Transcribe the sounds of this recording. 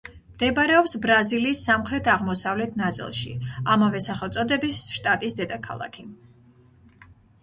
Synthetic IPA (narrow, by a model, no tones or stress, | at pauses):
md̪̥ɛbaɾɛɔpsbɾaziliːsːamχɾɛt̪ʰaʁmɔsavlɛt̪ʰnat̪sʼḭlˠʃḭamavɛsaχɛlˠt̪sʼɔd̪ɛbisʃt̪ʼat̪ʼisd̪ɛd̪akʰa̰lˠa̰kʰi